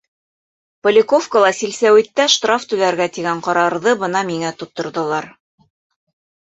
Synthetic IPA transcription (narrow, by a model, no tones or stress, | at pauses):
pŏlʲɪkofkolˠɑsilsæwit̪ːæʃt̪raft̪ʉðæɾɡæt̪iɡæɴqɑɾɑɾðɤbɤnɑmiŋæt̪ŏp̚t̪ːŏɾðɤ̆lˠɑɾ